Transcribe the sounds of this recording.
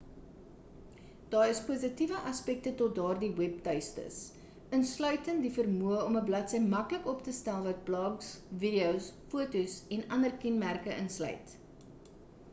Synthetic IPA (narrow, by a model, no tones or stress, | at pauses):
d̥ɑːrəspuzitivəʔɐspɛk̚tətɔt̚dɑːrdiwɛp̚tœɥstə̰s | ənslœɥtəndifərmuəɔməblɐtsəjmmɐkləkɔptəstælˠvɐt̚plɑːksvidiowsfuətusɛnɐndərkɛnmærkəʔənslœ̰ɥt